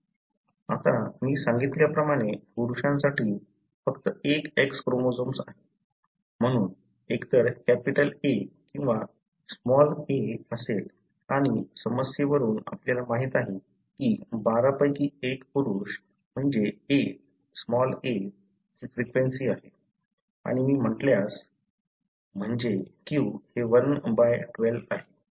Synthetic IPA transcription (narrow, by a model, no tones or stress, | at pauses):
at̪amiːsãŋɡit̪ljapɾəmaɽ̃epuɾuɕãnsaʈiː | fəkt̪əekekskɾomod͡zomsa̰ɦe | m̤əɽ̃uːn | ekt̪əɾkæpiʈəlekĩw̃ʋa | smɔleəsel | aɽ̃isəməsjeʋəɾuːna̰pljalamaɦiːt̪aɦe | kiːbaɾapəjkiːekpuɾuɕ | m̤əɳd͡ʑee | smɔle | kiːfɾikʋensiːaɦe | a̰ɽ̃imiːm̤əʈljas | m̤əɳd͡ʑekĩuheʋənbajʈʋelaɦe